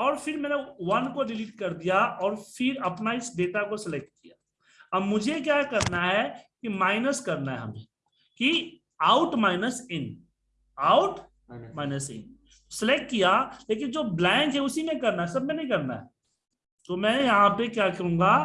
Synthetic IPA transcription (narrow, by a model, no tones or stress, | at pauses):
ɔːɾfʰɪɾmɛ̃ːnewɐnkoɾɪliːʈ̚kɐɾd̪ijaɔːɾfɪɾɐpnaɪsɖeːʈakosɪlek̚ʈ̚kija | ɐbmʊd͡ʒʱek̬jaːkɐɾnaɦɛkimaːɪnəskɐɾnaɦɛ̰ɦɐ̰mḛ̃ː | ki | aːʊʈmaːɪnəsɪn | aːʊʈ | maːɪnəsɪ̰n | sɪlek̚ʈ̚kijaleːk̬ɪnd͡ʒoːblɛ̃ːŋkɦɛʊsimẽkɐɾnaɦɛsɐb̚mẽnɐɦĩkɐɾna̰ɦɛ̰ | t̪omɛ̃ːjɐɦãpekjakɐɾũːŋɡa